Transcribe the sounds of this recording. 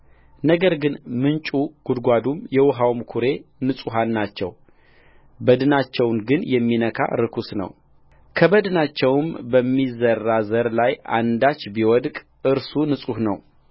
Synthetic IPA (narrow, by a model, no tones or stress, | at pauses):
nəɡəɾɡɨnmɨnt͡ʃʼuɡ̥ud̪ɡʷad̪umjɛwʊɦawmkʰuɾe̞nɨsʼuɦanːat͡ʃːɛ̰w | bəd̪ɨnat͡ʃːɛwnɡɨnjɛmːinəkʰa̰ɾɨkʰusnə̰w | kʰəbəd̪ɨnat͡ʃːɛwmbəmːizərːazəɾlajʔa̰nd̪at͡ʃːbiwɔd̪kʼ | ʔɨɾsunɨsʼuhnə̰w